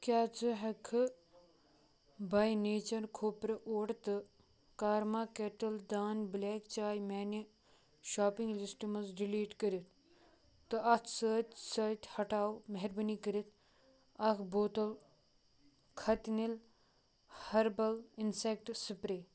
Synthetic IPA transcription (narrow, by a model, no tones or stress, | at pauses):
kʲjaːt͡sɨɦɐkʰɨ | baːjneːt͡ʃɐɾkʰoːpɾɨʔoːʈt̪ɨ | kaːɾmaːkeʈɐld̪aːnbleːkt͡ʃaːjmeːni | ʃaːpĩŋɡlisʈimɐzɾiliːʈkəɾit̪ː | ɨɐt̪ʰsəːt̪ʲsɐːt̪ʲhɐʈaːwmɐɦeɾbənikəɾit̪ʰ | ɐkʰboːt̪ɐl | kʰɐt̪nil | hɐɾbɐlinsek̚ʈsipɾeː